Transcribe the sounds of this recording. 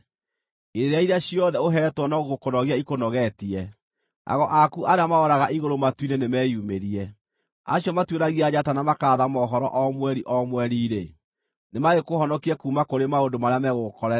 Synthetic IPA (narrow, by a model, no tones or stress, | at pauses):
eɾeɾeaiɾeaɕiɔðɛoɦɛtwɔnɔɣoɣokonɔɣiaikonɔɣɛtiɛ | ʔa̰ɣɔʔakuʔaɾeamaɔɾaɣaʔiɣoɾomatwinenemɛjumeɾiɛ | a̰ɕjɔmatweɾaɣiad͡ʑatanamakaːðamɔɦɔɾɔ̰ʔɔmwɛɾiʔɔmwɛɾiɾe | nemaɣekohɔnɔkiɛkuːmakoɾemaondomaɾeamɛɣokɔɾɛ